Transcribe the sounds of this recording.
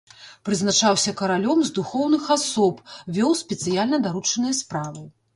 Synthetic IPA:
pɾɨznat͡ʂawsʲɐkɐɾalʲɔmzd̪uxɔwnɨxasɔpvʲɔwsʲpʲɛt̪sɨjalʲnɐd̪aɾut͡ʂɐnɨjɐspɾavɨ

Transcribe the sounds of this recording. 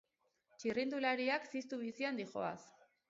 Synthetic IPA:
t͡ʃirind̪ulaɾiaksist̪uβisiand̪ixo̞̰a̰s

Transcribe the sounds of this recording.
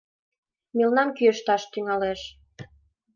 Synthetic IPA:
milnɑmkyəʃt̪ɑʃt̪yŋɑleʃ

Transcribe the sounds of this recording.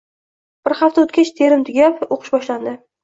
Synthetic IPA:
b̥ɪɾχaft̪aot̪kʲat͡ʃt̪ʰe̞ɾɪmt̪ʰʊɡʲapoqʰɨ̥ʃbɒʃland̪ɪ

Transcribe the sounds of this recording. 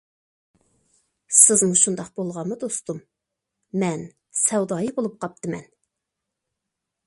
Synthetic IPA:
sɪzmuʃund̪ɑq̚b̥olˠʁɑnmɨd̪ost̪umː | ɛn | sɛwd̪ɑːjibolˠup̚qʰɑp̚t̪ʰɨmɛn

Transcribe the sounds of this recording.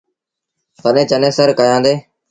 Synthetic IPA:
t̪ənẽːt͡ʃənẽːsəɾkəjãːnd̪eː

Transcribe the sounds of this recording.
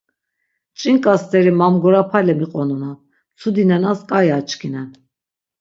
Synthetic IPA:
t͡ʃʼiŋkʼast̪ʰʼɛɾimamɡɔɾapʰalɛmiqʼɔnuna | t͡sʰud̪inɛnaskʼajat͡ʃʰʼkʰinɛn

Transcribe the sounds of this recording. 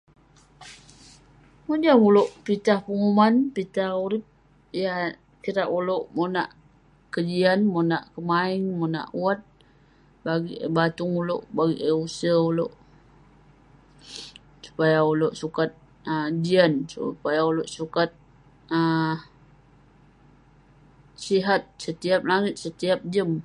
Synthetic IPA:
mud͡ʒaŋuloʔpit̪ahpəŋumanpit̪ahuɾɪp̚ | ija | kiɾaʔuloʔmonaʔ | kəd͡ʒianmonaʔkəmaɪŋmona̰ʔuat̪̚ | baɡiʔbat̪ʊŋuloʔbaɡiʔəusəuloʔ | su̥pajauloʔsukat̪̚ | əd͡ʒiansṵpajauloʔsukat̪̚ | ə | siɦat̪̚sət̪iap̚laŋɪt̪̚sət̪iap̚d͡ʒəm

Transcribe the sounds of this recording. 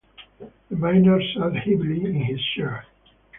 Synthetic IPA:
ðəmãɪnəɹsɛdhɪbliɪ̃nɪz̥ʃɛɹ

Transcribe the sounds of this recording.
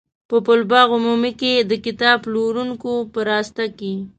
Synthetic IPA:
pəpʊlbɑɣʊmumiked̪əkɪt̪ɑbloɾuŋkopəɾɑst̪ake

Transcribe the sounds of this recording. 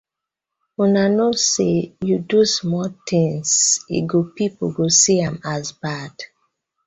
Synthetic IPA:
unanosejudusmɔtʰĩŋsḭɡopipoɡosiãmazbad̥

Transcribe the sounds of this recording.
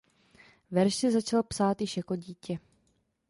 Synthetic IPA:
vɛɾʃsɛzat͡ʃalpsaːt̪jɪʃjakoɟiːcɛ

